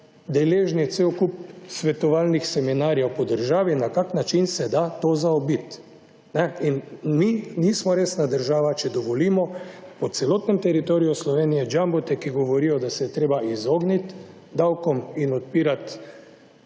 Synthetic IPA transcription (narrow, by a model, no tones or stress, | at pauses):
d̪ɛleːʒnɛt̪seɔkup̚sʋɛt̪ɔʋaːlnixsɛminaːɾjɛwpɔd̪əɾʒaːʋinakaknat͡ʃinsɛd̪at̪oːzaɔbit̪ | nɛinminiːsmɔɾeːsnad̪əɾʒaːʋat͡ʃɛd̪ɔʋɔliːmɔpɔt̪sɛloːt̪nɛmt̪ɛɾit̪oːɾijɔslɔʋeːnijɛd͡ʒambɔt̪ɛkiɡɔʋɔɾijɔd̪asɛjɛt̪ɾeːbaizoːɡnit̪ | d̪awkɔminɔt̪̚piːɾat̪